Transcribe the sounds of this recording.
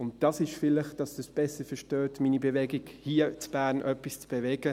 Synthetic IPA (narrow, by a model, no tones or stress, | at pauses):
ʊntd̥ɑsɪʃfɪlɪχd̥ɑsd̥əsb̥ɛsəfəʃtøːtmiːnibɛvɛɡɪɡhiːt͡sb̥æːɾnʔœpist͡sb̥ɛvɛɡə